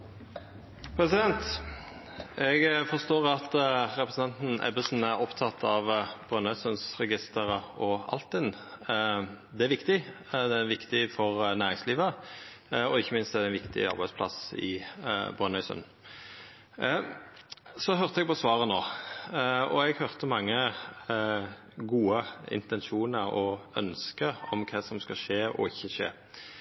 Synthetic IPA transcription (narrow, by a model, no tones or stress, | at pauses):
pʰɾɛsɪd̪ɛnt̪ | ɛɡfɔst̪oːʁɑt̪ɾɛpɾəsn̩ɛnt̪n̩ʔɛ̰bəsn̩æɾɔpt̪ʰɑt̪ʰːɑʋb̥ʁœnœʏsœnsʁɛɡɪst̪əʁəɔɑ̰lt̪ɪn | d̪ɛæɾʋɪkt̪ɪ | d̪ɛæʋɪkt̪ɪfɔʁnæːʁɪŋsliːʋə | ɔɪçːəmɪnst̪ɛd̪ɛɪnʋɪkt̪ɪ̰ɑ̰ɾbæɪspʰlɑ̰sɪ̰bʁœnœʏsə̰n | sɔɦœʁt̪əɛɡpɔsʋɑːʁənoː | ɔɛɡhœʁt̪əmɑŋːə | ɡuːəɪ̰nt̪ɛnʃuːnəɾɔœ̰nskəɔmkʰɑːsɔmskɑʂeːʔɔ̰ɪçːəʂḛː